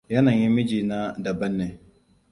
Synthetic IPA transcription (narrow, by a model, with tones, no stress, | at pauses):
jɐ˦na˨ɲji˦mɪ˦d͡ʒiː˨na˦dɐ˨bɐ˦nːe˨